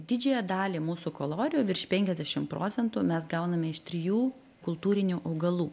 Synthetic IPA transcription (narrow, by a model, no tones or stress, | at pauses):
d̪ʲɪd͡ʒʲɛjɛd̪ɑːlʲiːmuːsʊkolˠoːɾʲɪjoːʋʲɪɾʲʃʲpʲɛŋʲkʲɛzʲd̪ʲɛʃʲɪmpɾo̰ːtsʲɛnt̪uːmʲɛsɡɐʊnɐmʲɛɪʃt̪ʲɾʲɪjuː | kʊlˠt̪uːɾʲɪnʲuːʔɐʊɡɐlˠuː